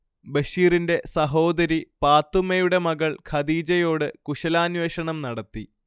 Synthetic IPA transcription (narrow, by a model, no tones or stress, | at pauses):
bɐɕiːrinde̞sɐɦo̞ːd̪ɐɾipaːt̪ːumɐjuɽe̞mɐɣɐɭkʰɐd̪iːd͡ʑɐjo̞ːɽɨkuʂɐlaːnʋeːɕɐɳɐmnɐɽɐt̪ːi